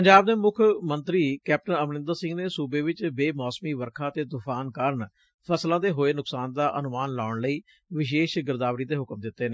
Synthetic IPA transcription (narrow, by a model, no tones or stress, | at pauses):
pəɲd͡ʒaːb̚d̪eːmʊkʰmənt̪ɾiːkɛːp̚ʈənəʋnɪ̃nd̪əɾsɪ̃ŋɡneːsuːbeːʋɪt͡ʃbeːmɔːsmiːʋəɾkʰaːt̪eːd̪ʊkʰaːnkəɾn | pʰəslãːd̪eːɦoːeːnʊksaːnd̪aːʔənʊmaːnlaːʊɳləiː | ʋɪʃeːʃɡɪɾd̪aːʋɾiːd̪eːɦʊkmd̪ɪt̪ːeːneː